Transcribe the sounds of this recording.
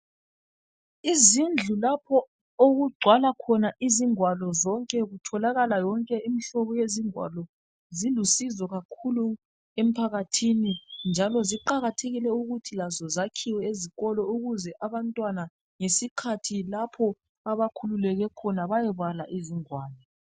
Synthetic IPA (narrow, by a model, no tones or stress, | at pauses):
izind͡ɮʱulapʰɔ | oɣuɡ͡ǀʱwalakʰɔnaʔiziŋwalɔzɔŋkʼɛɣutʰɔlaɣalajɔŋkʼɛimiɬɔβɔjeziŋwa̰lɔ | zilusizɔɣakʰulu | em̩pʰaɣatʰinind͡ʒʱalɔziǃaɣatʰeɣilɛuɣutʰilazɔzakʰiwɛeziɣɔlɔuɣuzɛʔaβantʼwana | ŋesikʰatʰilapʰɔ | aβakʰululɛɣɛkʰɔnaβajɛβalaʔiziŋwaːlɔ